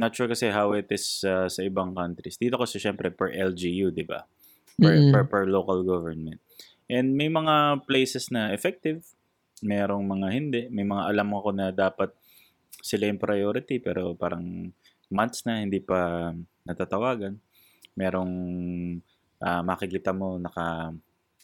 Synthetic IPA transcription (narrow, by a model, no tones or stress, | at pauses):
nɐt̪̚t͡ʃuːɹkɐsɛhawɪt̪ɪsɐsɐʔɪbaŋkant̪ɾɪsd̪iːt̪okɐsɛʃɛmpɾɛpɛɹʔɛld͡ʒijud̪ɪba̰ | pɛpɛɹpɛɹloːkɐlɡovɛɹnmɛnt̪̚ | ʔɛnd̪̚mɐjmɐŋaplejsɛsnɐʔɛfɛk̚t̪ɪv | mɛːɾo̞ŋmɐŋahɪnd̪ɛʔmɐjmɐŋaʔɐlamoɐko̞nɐd̪aːpɐt̪̚ | sɪlajʊŋpɾɐjoːɾɪt̪ipɛ̰ːɾo̞paːɾɐŋ | mant̪snɐhɪnd̪iːpɐnɐt̪aːt̪ɐwaːɡɐn | mɛːɾo̞ŋ | ʔɐmɐkɪkiːt̪ɐmo̞nɐkɐ